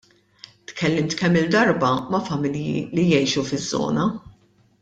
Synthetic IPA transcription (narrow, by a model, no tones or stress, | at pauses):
t̪kʰɛlːɪmt̪kɛmːɪld̪ɐɾbɐmɐfɐmɪljḭlijɛjʃufɪzːɔ̰ːnɐ